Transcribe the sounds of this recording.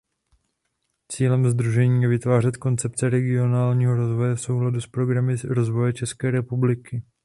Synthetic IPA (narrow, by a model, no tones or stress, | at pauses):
t͡siːlɛmzd̪ɾuʒɛɲiːjɛvɪt̪vaːr̝ɛt̪ko̞nt͡sɛp̚t͡sɛɾɛɡɪo̞naːlɲiːɦo̞ɾo̞zvo̞jɛfso̞wɦladuspɾo̞ɡɾamɪɾo̞zvo̞jɛt͡ʃɛskɛːɾɛpublɪkɪ